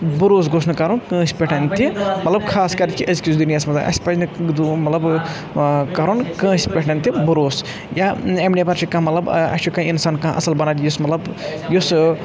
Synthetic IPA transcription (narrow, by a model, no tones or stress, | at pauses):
buɾoːs̬ɡosnɨkɐɾonkə̃ːspʲeʈʰɐnʲt̪imɐt̪lɐbkʰaːskɐɾt̪ʲkiʔɐzkʲisd̪unijaːsmɐt̪lɐʔɐ̰sʲpɐt͡ʃnɨd̪umɐt̪lɐb | kɐɾonkɐ̃ːsʲpʲeʈʰɐnʲt̪ibuɾoːs | jaemnepɐɾt͡ʃʰikɐ̃mɐt̪lɐbɐ̰t͡ʃʰikɐ̃insaːnkɐ̃ɦʔɐ̰sɐlbɐnaːt̪jusmɐt̪lɐbjus